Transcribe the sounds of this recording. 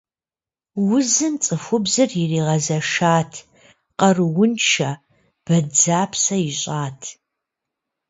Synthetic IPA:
wʊzɨmt͡sʼɨfʷʊbzɨrjɪriːʁɐzɐʂaːtʰ | qɐrɨwʊnt͡ʃʰɐ | b̥ɐd͡zaːpʰsɐjɪɕʼaːtʰ

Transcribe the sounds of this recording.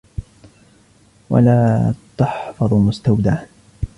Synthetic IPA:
wa̰laːt̪ɑħfɑðˤmʊst̪awd̪aːn

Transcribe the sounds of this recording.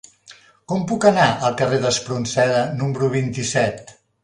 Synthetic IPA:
kɔmpukənaʔəlˠkəreðəspɾunsɛðənumɾuβ̞int̪isɛt̪

